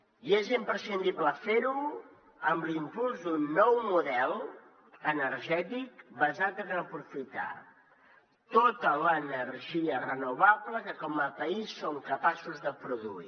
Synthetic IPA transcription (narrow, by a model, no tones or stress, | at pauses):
iezimpɾəsind̪ibləfeɾu | əmblimpulˠzd̪unːɔwmuðɛlˠ | ənəɾʒɛt̪ikbəzat̪ənəpɾufit̪a̰ | t̪ot̪ələnəɾʒiərənuβ̞abləkəkɔməpəisːoŋkəpasuzðəpɾuðṵḭ